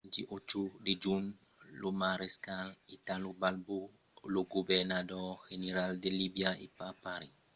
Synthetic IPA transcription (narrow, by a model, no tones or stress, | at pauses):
nd͡ʒiʔot͡ʃuded͡ʒumlomaɾɛskalitalubalbu | loɡubɛnadɔxeneɾaldelibiaʔipapaɾi